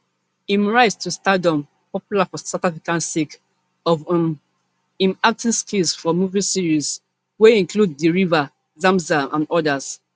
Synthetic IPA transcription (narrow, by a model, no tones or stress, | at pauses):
ĩmɹaɪstʰustadɔ̃m | pɔpjulafɔsatafikãnsik | ɔv | ĩmak̚tĩnskʰilsfɔmuvisiɹiz | weĩŋkludðəɹiva | zãmzaʔãnɔdas